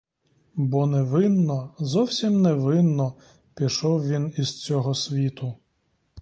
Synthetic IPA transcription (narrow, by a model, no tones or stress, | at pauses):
bɔneʋɪnːɔzɔwsʲimneʋɪnːɔ | pʲiʃɔwʋʲiniz̥t͡sʲɔɦɔsʲʋʲit̪ʊ